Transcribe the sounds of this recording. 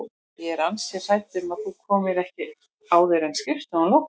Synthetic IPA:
jɛɾansjɛ̥saːjt̪ɪmaðθukʰɔːmɪɾɛhcɪ | aːwðɪɾɛnscɾɪft̪anlow

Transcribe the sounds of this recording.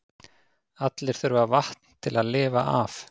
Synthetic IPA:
at̪lɪɾ̥θœɾvavaht̪n̥t̪ʰɪlaðlɪːva̰ʔaf

